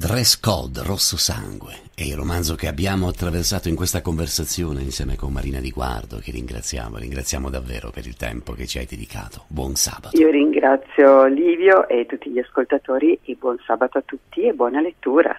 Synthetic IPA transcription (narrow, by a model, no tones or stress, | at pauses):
d̪ɾɛskɔ̰d̪rosːosa̰ŋɡwe | ɛilrːomanzok̟eabːjaːmoat̪ːɾaversaːt̪oiŋkwest̪akoɱversat̪sːjoːneinsjɛːmekonmaɾʔiːnad̪iɡwa̰rd̪o̰k̟erːḭŋɡɾa̰t̪sːja̰ːmo̰ɾḭŋɡɾat̪sjaːmod̪avːḛːɾo̰peɾḭlt̪ɛ̰mpok̟et͡ʃːia̰jd̪ed̪ikʰa̰ːt̪ʰo̥bwɔnsa̰ːbat̪iːoɾiŋɡɾat̪sːjoliːvjoʔet̪ːut̪ːiʎiaskolt̪at̪oːɾiebwɔnsaːbat̪oat̪ːut̪ːiebwɔːnalet̪ːuːɾa̰